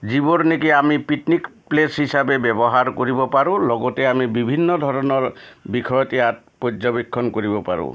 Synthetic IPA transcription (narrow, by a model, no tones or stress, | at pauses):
d͡ʒiboɾnikiamipiʈnikplesɦisabebjɔbɔɦaɾkoɾibɔpaɾũlɔɡɔteamibibʱinːɔd̪ʱɔɾɔnɔɾbikʰɔjɔt̪iat | pod͡ʒɔbikʰːɔnkoɾibɔpa̰ɾṵ̃